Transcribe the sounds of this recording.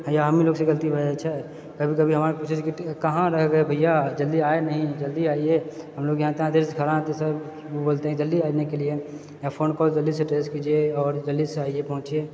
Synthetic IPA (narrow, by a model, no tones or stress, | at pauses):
ɦãjaɦəmiloːɡsẽɡəlt̪ibʱəd͡ʒat͡ʃʰɛ | kəbʱikəbʱiɦəmaːɾkosid͡ʒkikəɦãɾəɦɡəebʱəɪjad͡ʒəld̪iaenəɦĩd͡ʒəld̪iaːieɦəmloːɡjɦãt̪eɦãd̪eɾskʰəɾãt̪esəb | oboːlt̪eɦɛ̃d͡ʒəlːiaːinekelie | japʰoːnkɔːld͡ʒəlːis̬ẽʈesʈkid͡ʒeɔːɾd͡ʒəlːiseaːiepəɦʊ̃t͡ʃe